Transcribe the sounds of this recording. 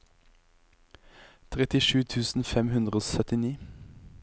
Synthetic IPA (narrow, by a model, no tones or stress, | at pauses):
t̪ʰʁɛt̪ɪʃʉːt̪ʰʉːsn̩fɛmhʉnd̪ʁəoːsœt̪ɪniː